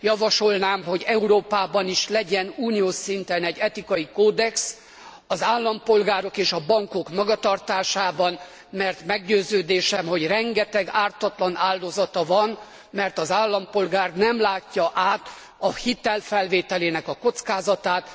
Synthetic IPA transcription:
jɒvɒʃo̞lnaːmɦo̞ɟɛuɾoːpaːbɒniʃlɛɟɛnuːnijoːʃint̪ɛnɛɟːɛt̪ikɒjikoːd̪ɛks | ɒzaːlːɒmpo̞lɡaːɾo̞keːʃɒbɒŋko̞kmɒɡɒt̪ɒrt̪aːʃaːbɒn | mɛrt̪mɛɡɟøːzøːd̪eːʃɛmɦo̞ɟrɛŋɡɛt̪ɛɡaːrt̪ɒt̪lɒnaːld̪o̞zɒt̪ɒvɒn | mɛrt̪ɒzaːlːɒmpo̞lɡaːrnɛmlaːcːɒʔaːt̪ | ɒhit̪ɛlfɛlveːt̪ɛleːnɛkɒko̞t̪skaːzɒt̪aːt̪

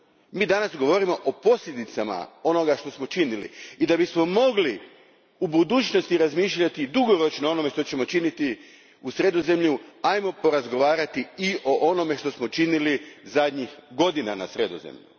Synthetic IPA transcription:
miːd̪anasɡo̞ʋo̞ɾimo̞ʔopo̞sʎʲe̞d̪it̪sama̰o̞no̞ɡaʃt̪o̞smo̞t͡ʃinilḭid̪abismo̞mo̞ɡli | ubud̪uːt͡ɕno̞st̪iɾazmiːʃʎat̪id̪uɡo̞ɾo̞t͡ʃnoo̞no̞me̞ʃt̪o̞t͡ɕe̞mo̞t͡ʃinit̪i | usɾe̞d̪oze̞mʎuajmo̞po̞ɾazɡo̞ʋaːɾat̪iio̞ʔo̞no̞me̞ʃt̪o̞smo̞t͡ʃinilizad̪ɲixɡo̞d̪ina̰na̰sɾed̪o̰zḛmʎṵ

